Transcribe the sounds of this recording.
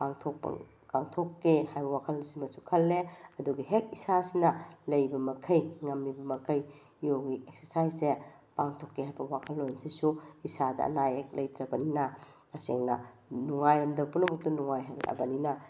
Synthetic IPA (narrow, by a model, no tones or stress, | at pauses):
paŋtʰok̚pɐ̰ | kaŋtʰokːehajbɐwakʰɐlsimɐsukʰɐlːeɐduɡiɦek̚isasinɐlɐjbɐmɐkʰɐjŋɐmːibɐmɐkʰɐj | jowɡiek̚sesajse | paŋtʰokːehajbɐwakʰɐlːojnsisuisadɐ̰ːnajek̚lɐjt̪ɾɐbɐninɐ | ɐseŋnɐnuŋajɐmdɐpunɐmɐk̚tunuŋajɦɐlɐ̰bɐninɐ